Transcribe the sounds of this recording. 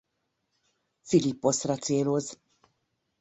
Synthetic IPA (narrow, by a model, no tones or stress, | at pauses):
filipːosrɐt̪seːloz